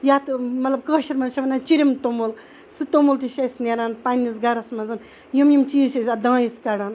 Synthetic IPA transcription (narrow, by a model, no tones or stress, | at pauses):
jat̪mɐt̪lɐb̚kəʃɐɾmɐnzʃɐʋɐnat͡ʃiɾʲimt̪omol | sɨt̪omult̪iʃɐsneɾaːnpɐnʲːisɡɐɾɐsmɐnzɨn | jumjimt͡ʃiːsɐsʲad̪ãːjiskɐɽaːn